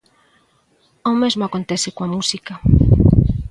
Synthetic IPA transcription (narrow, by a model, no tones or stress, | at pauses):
owmezmoakont̪ɛsɪkoamusikɐ